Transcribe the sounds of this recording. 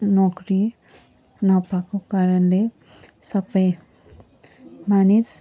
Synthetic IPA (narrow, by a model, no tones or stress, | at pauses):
nɔːkɾi | napakokaɾənle | sɐpəj | manis